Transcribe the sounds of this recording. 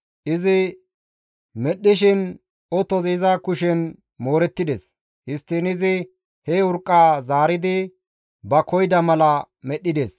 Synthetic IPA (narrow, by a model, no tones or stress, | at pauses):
ʔɪzɪ | mɛɗːɪʃɪn | ɔt̪ɔzizɐkʊʃɛn | mo̞ːɾɛt̪ːɪd̪es | hɪst̪ːɪnɪzɪ | hɛʊɾkʼːaːzaːɾɪd̪ɪ | bɐkɔjd̪ɐmɐlɐ | mɛɗːɪd̪eːs